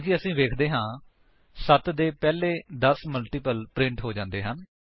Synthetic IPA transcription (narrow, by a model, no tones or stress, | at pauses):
kiəsĩːʋeːkʰd̪eːɦãː | sət̪d̪eːpɛːleːd̪əsməlʈiːpəlpɾɪ̃ɳʈɦoːd͡ʒãːnd̪eːɦən